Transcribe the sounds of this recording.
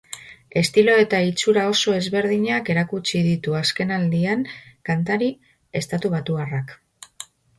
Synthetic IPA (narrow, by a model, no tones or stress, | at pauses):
e̞st̪ilo̞e̞t̪ait͡suɾao̞so̞e̞zβe̞ɾðiɲake̞ɾakut͡ʃiðit̪uaske̞nald̪iaŋkant̪aɾi | e̞st̪at̪uβat̪uarak